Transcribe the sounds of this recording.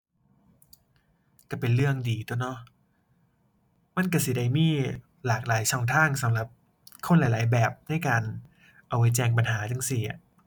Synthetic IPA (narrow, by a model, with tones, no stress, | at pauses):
ka˧˩pe˧nlɯ˥˩əŋdiː˧˩t̪u˧˩nɔ˦˥ | ma˥˨nka˧˩si˨˦da˧jmiː˥˩ | laː˨˩k̚laː˩˦jt͡ɕʰɔ˧˥˩ŋt̪ʰaː˥˩ŋsa˨˦mɾa˨˩p̚ | kʰo˧˥˨nla˨˦jlaː˨˦jbɛː˨˩p̚na˥˩jkaː˧n | ʔa˧˩wːa˧˦˥jt͡ɕɛː˧ŋp̬a˧nɦaː˩˦t͡ɕa˧ŋsi˨˩a̰˩